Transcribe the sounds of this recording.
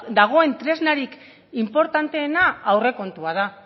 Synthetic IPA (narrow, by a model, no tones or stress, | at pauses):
d̪aɣ̞o̞e̞nt̪ɾe̞znaɾik | impo̞ɾt̪ant̪e̞ːnaːwre̞ko̞nt̪uað̞a